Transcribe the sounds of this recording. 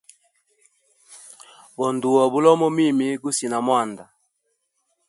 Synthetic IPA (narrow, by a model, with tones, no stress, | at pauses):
bɔ˨ndu˨ɔ˨bu˦lɔ˦mɔ˦mi˦mi˦ɡu˦si˨na˨mwa˦˨nda˨